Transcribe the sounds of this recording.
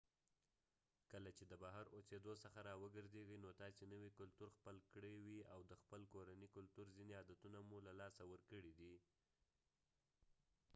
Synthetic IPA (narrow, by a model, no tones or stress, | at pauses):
kəlat͡ʃed̪əbaɦaɾosed̪osəxaɾɑwəɡəɾzeɡənot̪ɑsenəwikʊlt̪uɾxpəlkɽewiawd̪əxpəlkoɾanikʊlt̪uɾzineɑd̪at̪unamulalɑsawəɾkəɽid̪i